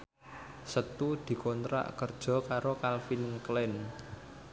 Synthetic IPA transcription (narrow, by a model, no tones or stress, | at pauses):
sət̪ud̪̥i̤kont̪ɾa̰ʔkərd̥ʒ̥ɔ̤kaɾokalfinklɛn